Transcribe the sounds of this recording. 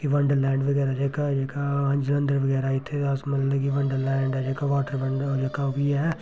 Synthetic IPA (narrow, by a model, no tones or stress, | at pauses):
kiʋɐ̃ɳɖəɾlɛ̃ːɳɖʋɐɡɛːɾad͡ʒeːkad͡ʒeːkaɦɐ̃nd͡ʒlɐ̃nd̪əɾʋɐɡɛːɾaːit̪ʰeaːsmɐlɐkiʋɐ̃ɳɖəɾlɛ̃ːɳɖɛd͡ʒeːkaʋaːʈəɾɐd͡ʒekabʱijeɦɛː